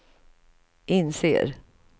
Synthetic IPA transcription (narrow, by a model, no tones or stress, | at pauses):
ʔɪnsḛːɾ